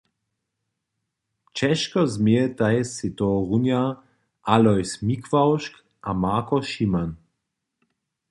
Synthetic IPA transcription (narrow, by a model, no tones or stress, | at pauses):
t͡ʃɛʃkɔzmet̪ajsit̪ɔʁunja | ʔalɔjsmikvawʃk | ʔamaːkɔʃiman